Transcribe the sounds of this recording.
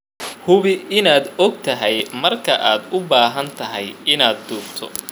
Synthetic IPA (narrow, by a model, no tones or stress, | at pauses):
hʊβɪʔɪnaːd̪ɔɡ̚t̪ʰɐɦɛjmɐrkʰɐʔaːd̪ʊbaːɦɐnt̪ʰɐɦɛjɪnaːd̪ːuːbt̪ʰɔ̰